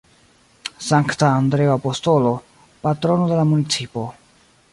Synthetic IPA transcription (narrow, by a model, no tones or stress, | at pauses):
saŋktaːndɾe̞oapo̞sto̞lo̞ | patɾo̞no̞d̪e̞lamunit͡sipo̞